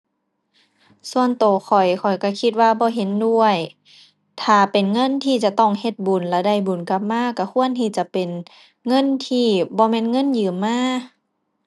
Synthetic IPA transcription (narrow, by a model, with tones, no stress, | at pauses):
su˧˨ənt̪oː˨˩xʰɔ˨˩jkʰɔ˨˩jka˧˩kʰi˧t̪̚waː˧bɔː˧˦ɦe˧˦ndu˧əj | t̪ʰaː˧˩pe˨nŋɤ˧˥˨nt̪ʰiː˧˩t͡ɕa˧˨t̪ɔ˧˩ŋhe˧t̪̚bu˨˩nlɛ˧˩da˧˩˨jbu˨˩nka˧˥p̚maː˧˥˨ka˧˩kʰu˧˥˨ənt̪ʰi˧˩t͡ɕa˧˦pe˨n | ŋɤ˧˥˨nt̪ʰiː˧˩bɔː˧˦mɛː˧˥˨nŋɤ˧˥˨njɯː˨˩mːaː˧˥˨